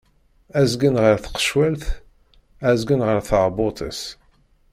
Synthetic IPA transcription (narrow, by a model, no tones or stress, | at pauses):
æzɡənʁəɾθə̥qːə̥ʃwælθ | æzɡənʁəɾθəɾˤbʊt̪ʰˤəs